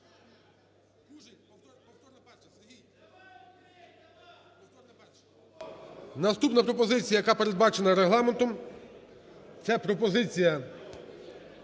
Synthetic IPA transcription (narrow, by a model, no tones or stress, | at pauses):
ɦi | nɐst̪upnɐpɾɔp̬ɔzɪt͡sʲijɐjɐkapeɾe̞d̪̚bɑt͡ʃenɐɾeɦlˠɑment̪ɔm | t̪sɛpɾɔpɔzɪt͡sʲijɐ